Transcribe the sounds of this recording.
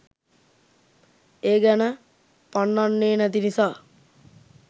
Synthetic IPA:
eːɡɛnə | panːanːeːnæt̪inisaː

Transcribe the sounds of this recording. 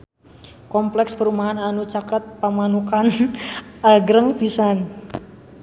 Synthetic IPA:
kɔmplɛkspəɾumaɦananut͡ʃakət̪̚pamanukan | aɡɾəŋbisan

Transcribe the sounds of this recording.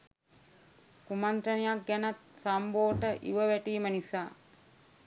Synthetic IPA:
kumant̪ənijak̚ɡænat̪samboːʈəʔḭʋəʋæʈiːmənisaː

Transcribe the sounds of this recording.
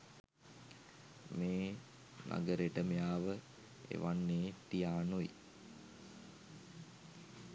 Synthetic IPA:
meː | nʔa̰ɡəɾeʈəmejaːʋə | ḛʋanːeːt̪ijaːnuḭ

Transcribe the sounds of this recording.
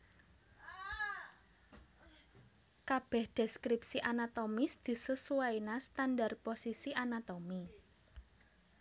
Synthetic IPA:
kab̥ɛ̤hd̪̥ɛskɾipsiʔanat̪omisd̪̥i̤səsuwainast̪anɖarposisiʔanat̪omi

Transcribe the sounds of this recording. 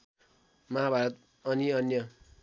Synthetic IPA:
mʌɦabʱaɾʌt̪ | ʌniʌnjʌ

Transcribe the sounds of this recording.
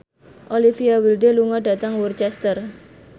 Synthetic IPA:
ʔolifiawilɖeluŋɔɖä̤t̪əŋwurt͡ʃɛst̪ər

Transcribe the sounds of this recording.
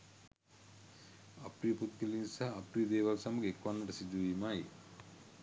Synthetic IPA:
apɾijəput̪̚kelinsaːpɾiəd̪eːʋalsaməɡekʋanːəʈəsid̪uʋiːmaːi

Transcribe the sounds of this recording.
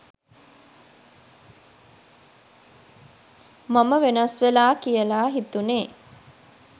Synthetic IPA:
maməʋenəsʋelaːkijəlaːɦit̪uneː

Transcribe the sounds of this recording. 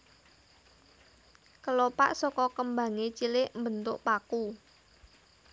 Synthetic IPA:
kəlopa̰ʔsɔkɔkəmbä̤ŋet͡ʃilɪʔmbə̤nt̪ʊʔpaku

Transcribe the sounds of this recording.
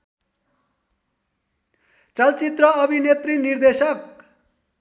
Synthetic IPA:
t͡sʌlt͡sit̪rʌʌbʱinet̪rinird̪esʌk

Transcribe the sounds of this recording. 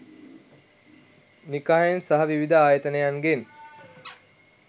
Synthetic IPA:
nikaɦensaɦɐʋiʋid̪əaːjət̪ənəjaŋɡen

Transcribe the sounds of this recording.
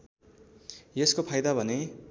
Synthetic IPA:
jeskopʰajd̪abʱʌne

